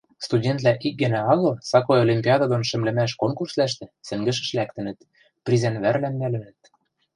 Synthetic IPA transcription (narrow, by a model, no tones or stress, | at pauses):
st̪udʲent̪læʔik̚ɡɘ̆næɑɣɤ̆sɑkojolʲimʲpʲiɑd̪od̪onʃɘ̆mlɘ̆mæʃ̬koŋkurslæʃt̪ĕsɘ̆ŋɡɘ̆ʃ̬ɘ̆ʃlækt̪ɘ̆nə̆t̪ | prʲizænβærlæmnælɘ̆nə̆t̪̚